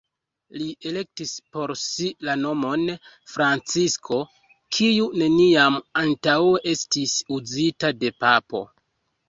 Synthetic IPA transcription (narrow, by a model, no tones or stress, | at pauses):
liʔe̞le̞k̚tispo̞ɾsilano̞mo̞n | fɾant͡siskʰo̞ | kʰijune̞niamantaweʔe̞stisuzitade̞papo̞̰